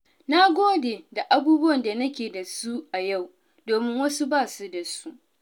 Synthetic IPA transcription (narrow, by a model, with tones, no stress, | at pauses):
na˦ɡʷoː˦deː˨da˨ʔa˦buː˦bʊ˦wɐ˨nda˨nɐ˦kʲeː˨da˨su˦ʔa˨ja˦˨w | doː˨mɪ˦ŋwɐ˦su˦baː˦˨su˦da˨su˦ʔ